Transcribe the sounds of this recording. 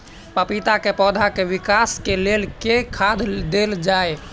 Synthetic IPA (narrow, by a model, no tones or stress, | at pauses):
pəpit̪akepɔːd̪ʱakeʋikaskelelkekʰad̪d̪eld͡ʒae